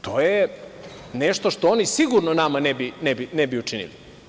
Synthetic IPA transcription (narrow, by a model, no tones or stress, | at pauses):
t̪ʰo̞ːje | neʃt̪oʃt̪oonisiɡuɾnonamanebinɛbinɛbiut͡ʃinḭli